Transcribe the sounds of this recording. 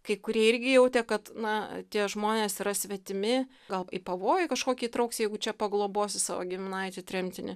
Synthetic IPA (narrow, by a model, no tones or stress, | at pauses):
kɐɪkʊɾʲiɛɪɾʲɡʲɪjɛʊt̪ʲɛkɐt̪nɐt̪ʲiɛʒmoːnʲeːsiɾɐsʲʋʲɛt̪ʲɪmʲɪ | ɡɐlˠipɐʋoːjɛkɐʃkoːkʲiːt̪ɾɐʊksʲjɛɪɡʊt͡ʃʲɛpɐɡlˠoːboːsʲɪsɑ̰ːʋo̰ɡʲɪmʲɪnɐɪt̪ʲɪt̪ʲɾʲɛmʲt̪ʲɪnʲɪ